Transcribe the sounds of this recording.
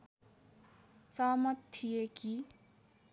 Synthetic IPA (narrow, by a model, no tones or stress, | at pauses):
sʌɦmʌt̪tʰːijeki